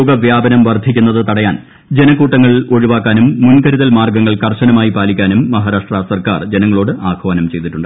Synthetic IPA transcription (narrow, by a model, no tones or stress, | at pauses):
oːɡɐʋjaːbɐnɐmʋɐrd̪ʱikʲːunːɐðɨt̪ɐɽɐjaːn | d͡ʑe̞nɐkuːʈːɐŋːɐɭo̞ɻuʋaːkːaːnumːunkɐɾuðɐlmaːrɡɐŋːɐɭkɐrɕɐnɐmaːjipaːlikʲːaːnumːɐɦaːɾaːʂʈrasɐrka̰ːrd͡ʑe̞nɐŋːɐɭo̞ːɽɨʔaːkʰɐʋɐːnɐmt͡ɕe̞jt̪iʈːuɳɖɨ